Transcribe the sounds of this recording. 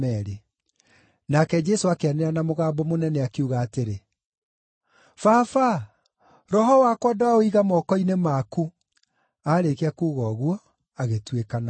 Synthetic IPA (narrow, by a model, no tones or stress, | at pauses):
ɛɾe | nakɛd͡ʒɛsoakeaneɾanamoɣaːbɔmonɛnɛakeuɣaːteɾe | fafa | ɾɔɦɔwakwɔdaoiɣamɔkɔinemaku | aːɾekeakuːɣɔɣwɔ | aɣetwekana